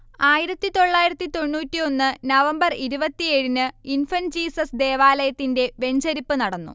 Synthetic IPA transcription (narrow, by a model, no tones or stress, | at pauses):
aːjiɾɐt̪ːit̪o̞ɭːaːjiɾɐt̪ːit̪o̞ɳːuːtːio̞nːɨnɐʋɐmbɐriɾubɐt̪ːieɻinɨinfɐnd͡ʑiːsɐsd̪e̞ːʋaːlɐjɐt̪ːinde̞ʋe̞ɲd͡ʑɐɾipːɨnɐɽɐnːṵ